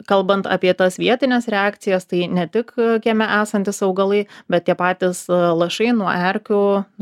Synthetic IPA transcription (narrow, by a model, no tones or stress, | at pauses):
kɐlˠbɐnt̪ɑ̰pʲiɛt̪ɐsʋʲiɛt̪ʲɪnʲɛsɾʲɛɑːkt̪sʲɪjɛst̪ɐɪnʲɛt̪ʲɪkkʲiɛmʲɛʔæːsɐnʲt̪ʲɪsɐʊɡɐlˠɐɪbʲɛt̪̚t̪ʲiɛpɑːt̪ʲɪslˠɐʃɐɪnuɔʔɛɾʲkʲʊ